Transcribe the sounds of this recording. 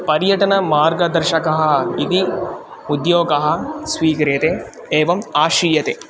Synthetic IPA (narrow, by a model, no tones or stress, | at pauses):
pɐɾjɐʈɐnɐmaːɾɡɐd̪ɐɾʃɐkɐɦɐ̆it̪i | ud̪joːɡɐɦɐ̆sʋiːkɐɾeːt̪e | eːʋɐmaːʃiːjɐt̪e